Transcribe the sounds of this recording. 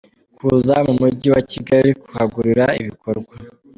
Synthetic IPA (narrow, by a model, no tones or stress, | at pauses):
kʰuzamumuɟiwaciɡaɾiiku̥haɡuɾiɾaiβikʰo̞ɾɡwa